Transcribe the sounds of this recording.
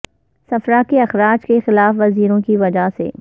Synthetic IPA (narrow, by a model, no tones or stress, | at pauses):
sɐfɾakeɐxɾaːd͡ʒkexɪlaːfʋɐziːɾõkiʋɐd͡ʒasḛː